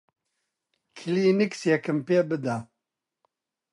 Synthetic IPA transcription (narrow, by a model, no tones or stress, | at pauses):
kʰiliniksjɛkɨmpeːbɨd̪a